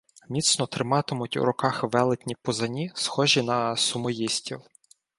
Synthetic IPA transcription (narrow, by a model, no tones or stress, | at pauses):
mʲit̪snɔt̪ɾɪmɑt̪ɪmʊtʲṵɾɔkɑxʋɛlˠɪt̪ʲnʲipɔzɐnʲisxɔʒinɐsʊmɔjisʲtʲiw